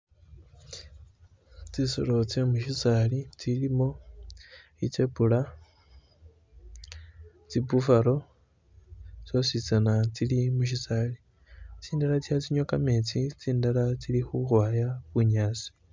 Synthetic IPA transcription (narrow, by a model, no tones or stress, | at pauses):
t͡siso̰ɾot͡semuʃisalit͡silimo̞ | it͡sepula | t͡sibufaɾo̞ | t͡sosit͡sanat͡silimuʃ̬isaːli | t͡siːndaɾat͡sihat͡siɲokamet͡sit͡siːndalat͡silixuxwaːjaβuɲaːsi̥